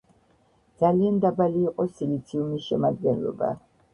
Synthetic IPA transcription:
d̪z̥aliand̪abaliːqʼɔsilit̪sʰiumisʃɛmad̪̚ɡɛnlɔ̰ba̰

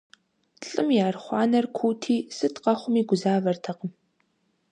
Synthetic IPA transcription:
ɬʼɨmjaːrχʷɑːnɐrkʷʰuːtʰiːsɨtʰqɐχʷʊmiːɡʷʊzaːvɐrtʰɐqəm

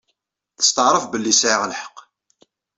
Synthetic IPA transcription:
θə̥st̪əʕɾˤəfbəlːisʕiʁəlħə̥qː

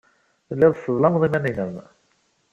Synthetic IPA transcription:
θəlːɪðˤsəðˤlɑnðˤimæninəm

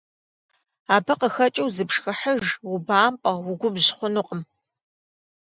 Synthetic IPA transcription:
aːbɐqəxɐt͡ʃʼɐwzɨpʂxɐħəʒwʊbaːmpʼɐʁwʊɡʷʊbʑχʷʊnʊːqʼəm

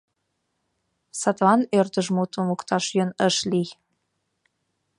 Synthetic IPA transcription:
sɑt̪vɑnørt̪ə̆ʒmut̪ə̆mukt̪ɑʃjønəʃli

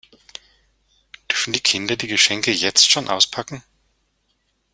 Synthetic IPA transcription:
d̥ʏɐfn̩diːkʰɪndɐdiːɡəʃɛŋkəjɛt͡stʃoːnʔa̰ʊspʰakŋ̩

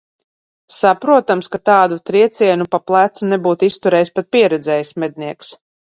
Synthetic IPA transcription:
sapɾuɔt̪amskat̪aːd̪ut̪ɾiɛt̪sʲiɛnupaplˠæt̪sunɛbuːt̪ist̪uɾɛːjspat̪̚piɛɾɛd̪zɛːjismɛd̪̚niɛks

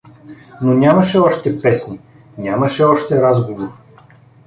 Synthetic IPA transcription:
nonʲamɐʃɛɔʃt̪ɛpɛsni | nʲamɐʃɛɔʃt̪ɛɾazɡovoɾ

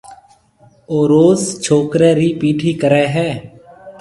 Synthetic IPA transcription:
oːɾoːzt͡ʃʰoːkɾeːɾiːpiːʈɦiːkəɾɛːɦɛː

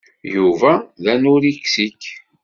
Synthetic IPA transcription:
juvæðænʊɾiksikː

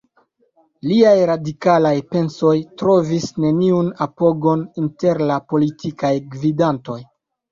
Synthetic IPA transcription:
liajɾadikalajpe̞nso̞jtɾo̞visne̞niunapo̞ɡo̞ninte̞ɾlapo̞litʰikajɡvidanto̞j

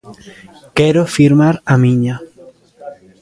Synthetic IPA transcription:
keɾofiɾmaɾamĩɲa

